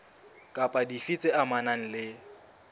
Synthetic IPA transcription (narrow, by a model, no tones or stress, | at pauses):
kʼapʼadifit͡sʼɪamanaŋ̩lɪ